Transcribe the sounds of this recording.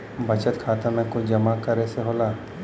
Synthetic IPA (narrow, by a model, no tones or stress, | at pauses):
bʱət͡ʃət̪kʰaːt̪amɛ̃kʊt͡ʃd͡ʒɐmakəɾeseɦoːlaː